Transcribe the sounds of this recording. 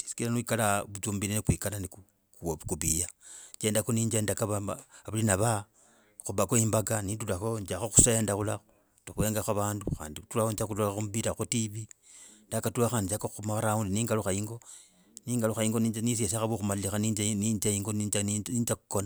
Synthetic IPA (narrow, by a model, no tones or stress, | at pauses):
ti̥si̥kilanwikalaβut͡ʃuːmbilenkwiːkalaniku | kkuβijaɲd͡ʒendakoniːɲd͡ʒendakaβaβalinaβa | xuβakoimbaɡanitulaxoɲd͡ʒaxoxu̥se̞ːndaxulaxo | tuxwe̞ːŋɡaxaβaːnduxa̰ːnditulaont͡ʃakutuaxomβiɾaxotiβi | ndakatulaxand͡ʒakouxumaaɾaundiniːŋɡaluxaiŋɡo̞ | niːŋɡaluxaiŋɡoninis̬es̬axaβuxumalilixaniid͡ʒaiŋɡonniːɲd͡ʒaku̥kona